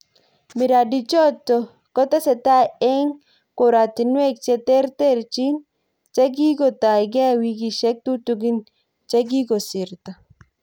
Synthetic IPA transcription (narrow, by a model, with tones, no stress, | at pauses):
mi˨ɾa˨di˨t͡ʃɔ˦tːɔ˨ | kɔ˦t̪a˦sɛ˨t̪a˦ɛ˦ŋ | ko˨ɾa˨t̪i˨nwe˦k̚t͡ʃɛ˦t̪ɛ˦ɾte˦˨ɾt͡ʃi˦n | t͡ʃa˦ɡ̬i˦ɡɔ˨t̪a˨jɡɛ˦wi˦ɡi˨ʃɛ˦k̚t̪u˦tu˨ɡi˦n | t͡ʃe˦ɡ̬i˦ɡo˨si˨ɾt̪a˨